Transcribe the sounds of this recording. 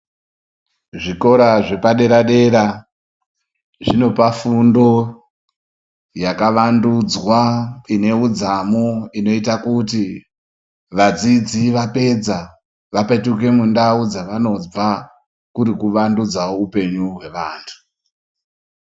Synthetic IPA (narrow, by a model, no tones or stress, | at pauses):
ʐiko̞ɾaʐe̞paɗe̞ɾaɗe̞ɾa | ʐino̞pafundo̞ | jakaʋandud͡zwaine̞ud͡zamoino̞itakut̬i | ʋad͡zid͡ziʋape̞d͡za | ʋape̞tuk̬e̞mundaud͡zaʋano̞va | kuɾikuʋandud͡zaoupe̞ɲuɦwe̞ʋaːntʰu̥